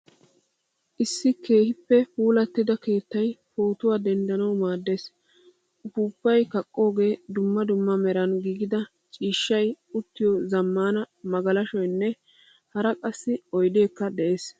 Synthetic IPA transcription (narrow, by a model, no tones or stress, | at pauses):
ʔɪsːɪke̞ːhɪpːɛhuːlɐt̪ːɪd̪ɐke̞ːt̪ːɐjpoːt̪ʊwaːd̪ɛnd̪ɐnɐwmaːd̪ːe̞ːs | ʔʊfuːbːɐjkɐkʼːo̞ːɡe̞ːd̪ʊmːɐd̪ʊmːɐmɛɾɐnɡiːɡɪd̪ɐ | t͡ʃʼiːʃːɐj | ʊt̪ːɪjɔzɐmːaːnɐ | mɐɡɐlɐʃɔjnːɛ | hɐɾɐkʼɐsːɪɔjd̪e̞ːkːɐd̪ɛʔeːs